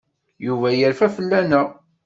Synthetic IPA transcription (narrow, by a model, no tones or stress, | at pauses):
juvæjəɾfæfəlːænə